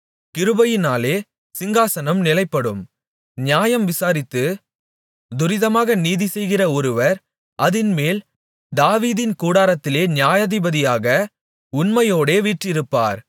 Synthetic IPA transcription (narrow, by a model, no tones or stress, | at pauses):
kɪɾɯbɐjɪnaːleː | sɪŋɡaːsɐnɐmnɪlɐɪpːɐɽɯm | ɲjaːjɐmʋɪsaːɾɪt̪ːɯ | d̪ʊɾɪðɐmaːɣɐniːðisɛjɣɪrɐɔɾɯʋɐɾ | ʔɐðɪnmeːl | d̪aːʋiːðɪnkuːɽaːɾɐt̪ːɪleːnjaːjɐðɪbɐðɪjaːɣɐ | ʊnmɐjoːɽeːʋiːʈrɪɾɯpːa̰ːɾ